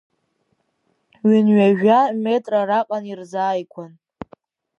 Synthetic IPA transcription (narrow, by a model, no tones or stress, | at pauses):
ɥʏnɥaʒᶣame̞tʼraɾaqʼanirzaːjkʷʰan